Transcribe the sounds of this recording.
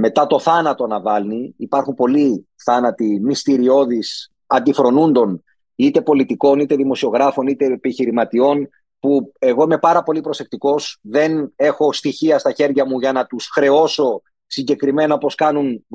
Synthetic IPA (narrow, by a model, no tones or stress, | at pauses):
me̞t̪ɐt̪o̞θɐnɐt̪o̞nɐvɐlniːpɐɾxumpo̞li | θɐnɐt̪imist̪iɾio̞ðis | ɐnd̪ifɾo̞nund̪o̞n | it̪e̞po̞lit̪iko̞nit̪e̞ðimo̞sio̞ɣɾɐfo̞nit̪e̞piçiɾimɐt̪io̞n | pue̞ɣo̞ime̞pɐɾɐpo̞lipɾo̞se̞k̚t̪iko̞sðe̞ne̞xo̞st̪içiɐst̪ɐçe̞ɾʝɐmuʝɐnɐt̪usxɾe̞o̞so̞ | siɲɟe̞kɾime̞nɐopo̞skɐnun